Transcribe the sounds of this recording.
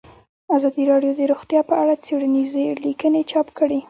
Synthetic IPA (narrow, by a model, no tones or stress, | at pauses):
azɑd̪iɾɑɖjod̪əɾoxt̪jɑpəʔaɽat͡seɽanizelikənet͡ʃɑpkəɽe